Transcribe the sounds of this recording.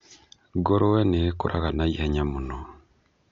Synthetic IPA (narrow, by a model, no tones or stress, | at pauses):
ɡoɾowenekuɾʔaɣanaiheɲamuno